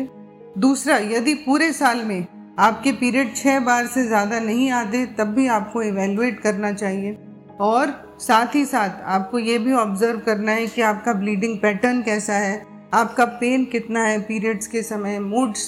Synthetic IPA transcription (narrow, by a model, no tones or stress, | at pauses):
d̪uːsɾajɐd̪ipuːɾesaːlmẽ | aːp̚kepiːɾiəːɖ̚t͡ʃʰɛːbaːɾsezjaːd̪anɐɦĩaːt̪̬et̪ɐbːʱiaːp̚koɪʋɛːljueːʈkɐɾnat͡ʃaːɦie | ɔːɾ | saːt̪ʰɦisaːt̪ʰaːp̚kojeːbʱiɔːbzəɾʋkɐɾnaɦɛkiaːp̚kabliːɖɪ̃ŋɡ̚pɛːʈəɾnkɛːsaɦɛ | aːp̚kapeːnkɪt̪naɦɛpiːɾiəːɖskesɐməjmuːɖs